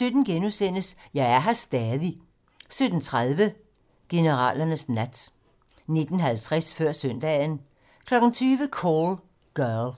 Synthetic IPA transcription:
sød̥n̩ɡ̥enusen̰əsjɑ̈ɪæɐɦæsd̥ɛːðˠi | sød̥n̩t͡sʰʁaðˠʋə | ɡ̥e̝nəʁɑ̰̈ːlɐnəsnæd̥ | ne̝d̥n̩ɦælt͡sʰʁasfɶɐ̰sœn̰d̥ɛ̰ːn | kʰlɒ̽ɡ̥n̩t͡sʰyːʋəkʰol | ɡ̥œɐl

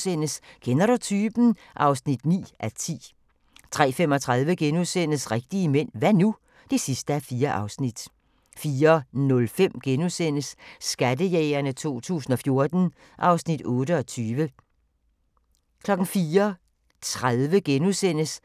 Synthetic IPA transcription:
sen̰əskʰenɐɾ̥ut͡sʰyːb̥n̩ | ʔɑ̈ʊsnid̥nḭːʔæt͡sʰḭː | t͡sʰʁɛ̰ːfem̰ɒ̽t͡sʰʁɑð̞ˠʋəɡ̥enusen̰əsʁɛɡ̥̚d̥iəmen̰ʋænu | d̥e̝sisd̥əæfiːɐʔɑ̈ʊsnid̥ | fiːɐnɔ̽lfem̰ɡ̥enusen̰əsːɡ̥ædəjɛːɪɐnət͡sʰo̝̰ːt͡sʰṵːsn̩ɒ̽fjo̝ɐd̥n̩ | ʔɑ̈ʊsnid̥ɔ̽ːɾəɒ̽t͡sʰyːʋə | kʰlɒ̽ɡ̥n̩fiːɐ | t͡sʰʁaðˠʋəɡ̥enusen̰əs

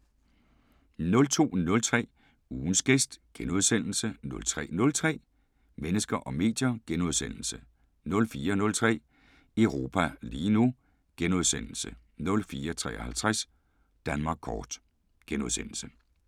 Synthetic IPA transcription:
nɔ̽lt͡sʰo̝̰ːnɔ̽lt͡sʰʁɛ̰ː | uːn̩sɡ̥esd̥ɡ̥enuð̞ˠsen̰l̩sənɔ̽lt͡sʰʁɛ̰ːnɔ̽lt͡sʰʁɛ̰ː | menəsɡ̥ɐʔɒ̽me̝̰ːd̥jɐɡ̥enuðˠsen̰l̩sə | nɔ̽lfiːɐnɔ̽lt͡sʰʁɛ̰ː | eʊʁo̝ːpʰæliːnu | ɡ̥enuð̞ˠsen̰l̩sə | nɔ̽lfiːɐt͡sʰʁɛ̰ːɒhælt͡sʰʁas | d̥ænmɑ̈ːɡ̥̚kʰɒːd̥ | ɡ̥enuðˠsen̰l̩sə

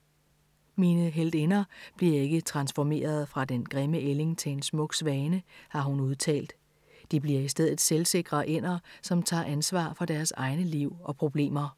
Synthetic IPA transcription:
miːnəɦel̰d̥enɐb̥liɐe̝ɡ̥ət͡sʰʁɑ̈nsfɒme̝̰ːɐð̞̩ˠfʁɑ̈d̥enɡ̥ʁɛməʔele̝ŋt͡sʰe̝e̝nsmɔ̽ɡ̥sʋɛːnəhɑ̈ɦunuð̞ˠt͡sʰɛ̰ːld̥ | d̥ib̥liɐisd̥eð̞̰ˠð̩ˠselse̝ɡ̥ʁɐʔen̰ɐsɒ̽mt͡sʰɑ̰̈ːʔænsʋɑ̰̈ːfɒ̽d̥æɐsɑ̈ɪnəliʊ̰ɒ̽pʰʁo̝b̥le̝̰ːmɐ

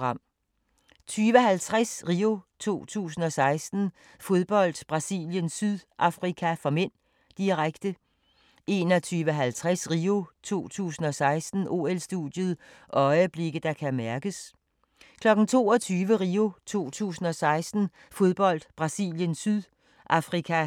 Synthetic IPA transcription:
ɑ̈m̰ | t͡sʰyːʋəɦælt͡sʰʁasʁiːo̝t͡sʰo̝̰ːt͡sʰṵːsn̩ɒ̽sɑ̈ɪsd̥n̩ | fo̝ð̞ˠb̥ɒ̽l̰d̥b̥ʁɑ̈sḭljənsyðˠʔɑ̈fʁikʰæfɒmen̰ | d̥iʁaɡ̥d̥ə | e̝nɒt͡sʰyːʋəɦælt͡sʰʁasʁio̝t͡sʰo̝̰ːt͡sʰṵːsn̩ɒ̽sɑ̈ɪsd̥n̩ʔo̝̰ːelsd̥ṵð̥ˠjəð̞̩ˠʔɒ̽ɪəb̥le̝ɡ̥əd̥ɑ̈kʰæmæɐɡ̥əs | kʰlɒ̽ɡ̥n̩t͡sʰo̝̰ːɒ̽t͡sʰyːʋəʁio̝t͡sʰo̝̰ːt͡sʰṵːsn̩ɒ̽sɑ̈ɪsd̥n̩ | fo̝ð̞ˠb̥ɒ̽l̰d̥b̥ʁɑ̈sḭljənsyðˠ | ʔɑ̈fʁikʰæ

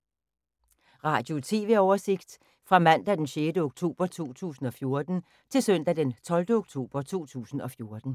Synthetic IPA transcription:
ʁɑ̈ːd̥jo̝t͡sʰe̝ːʋe̝ɒʊɐse̝ɡ̥d̥ | fʁɑ̈mæn̰d̥æd̥enɕeːdəoɡ̥t͡sʰo̝̰ːb̥ɐt͡sʰo̝̰ːt͡sʰṵːsn̩ɒ̽fjo̝ɐd̥n̩ | t͡sʰe̝lsøn̰d̥æd̥ent͡sʰɒ̽ld̥əoɡ̥̚t͡sʰo̝̰ːb̥ɐt͡sʰo̝̰ːt͡sʰṵːsn̩ɒ̽fjo̝ɐd̥n̩

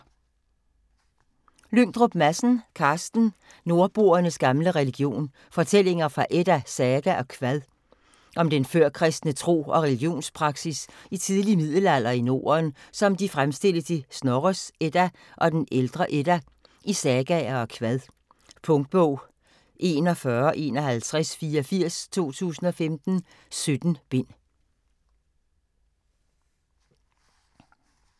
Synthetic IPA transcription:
løŋ̰d̥ʁob̥mæsn̩kʰɑ̈ːsd̥n̩ | no̝ɐb̥o̝ːɐnəsɡ̥ɑ̈mləʁɛliɡ̥jo̝̰ːn | fɒ̽t͡sʰel̰e̝ŋɐfʁɑ̈ʔed̥æsɛːɡ̥æʔɒ̽kʰʋæðˠ | ʔɒ̽md̥enføɐ̰kʰʁɛsd̥nət͡sʰʁo̝̰ːɒ̽ʁɛliɡ̥jo̝̰ːnspʰʁɑ̈ɡ̥sisit͡sʰið̞ˠliəmið̰ˠl̩æl̰ɐino̝̰ːɐnsɒ̽md̥ifʁamsd̥e̝l̰əsisnɒʁəsed̥æ | ʔɒ̽d̥eneld̥ʁɐʔed̥æ | ʔisɛɡ̥ɛɐɒ̽kʰʋæðˠ | pʰɔ̽ŋd̥̚b̥ɔʊ̰ | ʔe̝̰ːnɒ̽fɶɐʔe̝̰ːnɒ̽hælt͡sʰʁasfiːɒfiɐ̰st͡sʰo̝̰ːt͡sʰṵːsn̩ɒ̽femd̥n̩ | sød̥n̩b̥e̝n̰

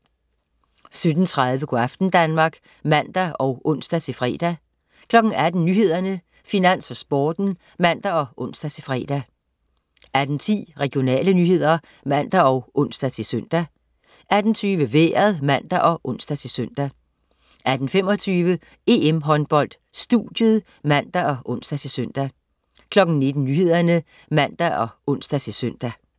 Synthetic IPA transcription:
sød̥n̩t͡sʰʁɑð̞ˠʋəkʰoɑfd̥n̩d̥ænmɑ̈ːɡ̥ | mæn̰d̥æɒ̽ʊʔɔ̽n̰sd̥æt͡sʰe̝lfʁɛ̰ːd̥æ | kʰlɒ̽ɡ̥n̩æd̥n̩nyːɦe̝ð̞̰ˠɐnə | finæn̰sɒ̽sb̥ɒːd̥n̩ | mæn̰d̥æɒ̽ʔɔ̽n̰sd̥æt͡sʰe̝lfʁɛ̰ːd̥æ | ʔæd̥n̩t͡sʰḭːʁɛɡ̥ijo̝nɛ̰ːlənyːɦe̝ð̞̰ˠɐ | mæn̰d̥æɒ̽ʊʔɔ̽n̰sd̥æt͡sʰe̝søn̰d̥æ | æd̥n̩t͡sʰyːʋəʋḛːɐðˠmæn̰d̥æʔɒ̽ʔɔ̽n̰sd̥æt͡sʰe̝søn̰d̥æ | æd̥n̩femɒ̽t͡sʰyːʋə | e̝emɦɒ̽nb̥ɒ̽l̰d̥ | sd̥ud̥jəðˠ | mæn̰d̥æʔɒ̽ʔɔ̽nsd̥æt͡sʰe̝søn̰d̥æ | kʰlɒ̽ɡ̥n̩ne̝d̥n̩nyːɦe̝ð̞̰ˠɐnə | mæn̰d̥æɒ̽ʔɔ̽n̰sd̥æt͡sʰe̝sœn̰d̥æ

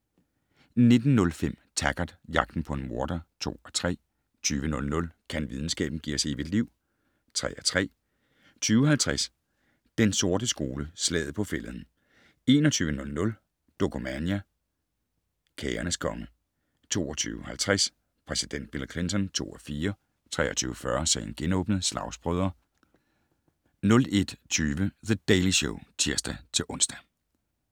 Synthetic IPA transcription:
ne̝d̥n̩nɔ̽lfem̰t͡sʰæɡ̥ɐd̥jɑ̈ɡ̥̚d̥n̩pʰɒ̽e̝nmo̝ɐd̥ɐt͡sʰo̝̰ːɒt͡sʰʁɛ̰ː | t͡sʰyːʋənɔ̽lnɔ̽lkʰænʋið̞ˠn̩sɡ̥ɛ̰ːb̥n̩ɡ̥ḭɐseʋid̥liʊ̰ | t͡sʰʁɛ̰ːæt͡sʰʁɛ̰ː | t͡sʰyːʊhælt͡sʰʁas | d̥enso̝ɐd̥əsɡ̥o̝ːləslɛ̰ːð̞̩ˠpʰɒ̽fel̰ð̩ˠn̩ | e̝ːnɒt͡sʰyːʋənɔ̽lnɔ̽l | d̥okʰomænjæ | kʰɛːɐnəskʰɒ̽ŋə | t͡sʰo̝̰ːɒt͡sʰy̰ːʊhælt͡sʰʁas | pʰʁɛsid̥en̰d̥̚b̥ilkʰle̝nt͡sʰɒ̽nt͡sʰo̝̰ːɒfiːɐ | t͡sʰʁɛ̰ːɐt͡sʰy̰ːʊəfɶɐsɛ̰ɪnɡ̥enɔ̰̽ːb̥nð̩ˠslɑ̈ʊsb̥ʁœðˠɐ | nɔ̽le̝d̥t͡sʰyːʋəðəd̥eɪliɕo̰ʊt͡sʰiɐsd̥æt͡sʰe̝ʔɔ̽nsd̥æ

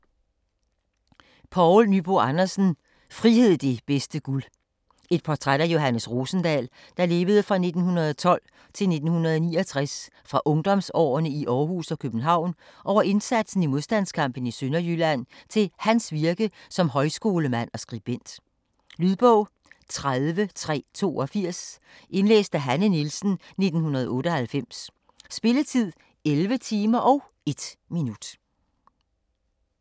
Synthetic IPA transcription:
pʰɒʊlnyb̥oɑnɐsn̩ | fʁihe̝ð̰ˠd̥e̝b̥esd̥əɡ̥ul | e̝d̥̚pʰɒt͡sʰʁad̥æjo̝ɦænəsʁo̝ːsn̩d̥ɛ̰ːl | d̥ɑ̈le̝ːʋəð̞̩ˠəfʁɑ̈ne̝d̥n̩hunɐð̞ˠɒt͡sʰɒ̽l̰ | t͡sʰe̝lne̝d̥n̩hunɐðˠɒnḭːɒt͡sʰʁas | fʁɑ̈ʔɔ̽ŋd̥ɒ̽msɒ̰ːɐnəiʔɒːhṵsɒ̽kʰøb̥n̩ɦɑ̈ʊ̰nʔɒʊ̰ɐʔe̝nsæd̥sn̩imo̝ðˠsd̥æn̰skʰɑ̈m̰b̥ən̩isønɐjylæn̰t͡sʰe̝lhænsʋiɐɡ̥əsɒ̽mɦɒ̽ɪsɡ̥o̝ːləmæn̰ɒ̽sɡ̥ʁib̥en̰d̥ | lyðˠb̥ɔʊ̰ | t͡sʰʁaðˠʋət͡sʰʁɛ̰ːt͡sʰo̝̰ːʔɒ̽fiɐ̰s | ʔe̝nlḛːsd̥æɦænənilsn̩ne̝d̥n̩hunɐð̞̩ˠɔ̽ːɾ̥əɒ̽hælfem̰s | sb̥e̝lət͡sʰið̰ˠ | elʋət͡sʰiːmɐʔɒ̽ʊ | e̝d̥minud̥

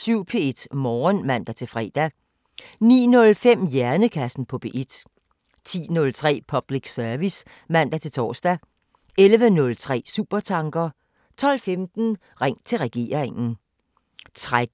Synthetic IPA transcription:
syʊ̰pʰe̝e̝d̥mɒːnmæn̰d̥æt͡sʰe̝lfʁɛ̰ːd̥æ | nḭːnɔ̽lfem̰jæɐnəkʰæsn̩pʰɒ̽b̥e̝ʔed̥ | t͡sʰḭːnɔ̽lt͡sʰʁɛ̰ːpʰɒ̽b̥liɡ̥sœɐʋis | mæn̰d̥æt͡sʰe̝lt͡sʰɒ̰ːsd̥æ | ʔelʋənɔ̽lt͡sʰʁɛ̰ːsṵːb̥ɐt͡sʰɑ̈ŋɡ̥ɐ | t͡sʰɒ̽l̰femd̥n̩ | ʁeŋ̰t͡sʰe̝lʁɛɡ̥e̝̰ːɐ̰eŋn̩ | t͡sʰʁa

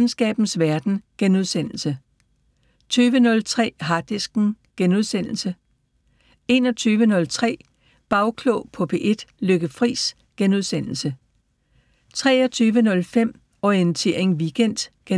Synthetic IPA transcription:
n̩sɡ̥ɛ̰ːb̥n̩sʋæɐd̥n̩ɡ̥enuð̞ˠsen̰l̩sə | t͡sʰyːʋənɔ̽lt͡sʰʁɛ̰ːɦɑ̈d̥isɡ̥n̩ɡ̥enuðˠsen̰l̩sə | e̝nɒ̽t͡sʰyːʋənɔ̽lt͡sʰʁɛ̰ː | b̥ɑ̈ʊkʰlɔʊpʰɔ̽pʰe̝ʔe̝d̥løɡ̥əfʁḭːs | ɡ̥enuð̞ˠsen̰l̩sə | t͡sʰʁɛ̰ːɒ̽t͡sʰyːʋənɔ̽lfem̰ | ɒent͡sʰe̝ɐe̝ŋʋiɡ̥en̰d̥ɡ̥e

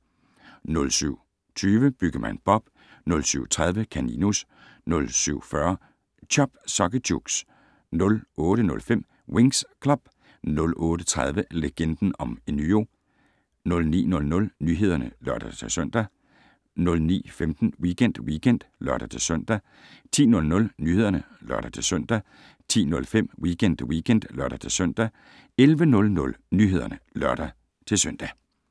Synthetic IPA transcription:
nɔ̽lsyʊ̰ | t͡sʰyːʋəb̥yɡ̥ɐmʔænb̥ɒ̽b̥ | nɔ̽lsyʊ̰t͡sʰʁað̞ˠʋəkʰænḭnus | nɔ̽lsyʊ̰fɶɐ | t͡ɕʰɒb̥sɒ̽ɡ̥əd̥uɡ̥s | nɔ̽lɔːɾənɔ̽lfem̰ | weŋskʰlɒb̥ | nɔ̽lʔɔːɾ̥ət͡sʰʁað̞ˠʋəleɡ̥en̰d̥n̩ɒ̽menyo̝̰ | nɔ̽lnḭːnɔ̽lnɔ̽lnyːɦe̝ð̞ˠɐnəlɶɐɾ̥ɐt͡sʰe̝lsœn̰d̥æ | nɔ̽lnḭːfemd̥n̩wiɡen̰d̥wiːɡ̥en̰d̥lɶɐɾ̥ɐt͡sʰe̝lsœn̰d̥æ | t͡sʰḭːnɔ̽lnɔ̽lnyːhe̝ðˠɐnə | lɶɐɾ̥ɐt͡sʰe̝lsœn̰d̥æ | t͡sʰḭːnɔ̽lfem̰wiːɡ̥en̰d̥wiːkʰen̰d̥lɶɐɾ̥ɐt͡sʰe̝lsœn̰d̥æ | elʋənɔ̽lnɔ̽lnyːɦe̝ð̞̰ˠɐnəlɶɐɾ̥ɐ | t͡sʰe̝lsœn̰d̥æ

